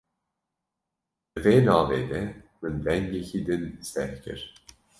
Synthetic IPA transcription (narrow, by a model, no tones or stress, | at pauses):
d̪̥ɨveːnɑːveːd̪ɛmɨnd̪ɛŋɡecʰiːd̪ɨnst̪ɛhkʰɨ̰ɾ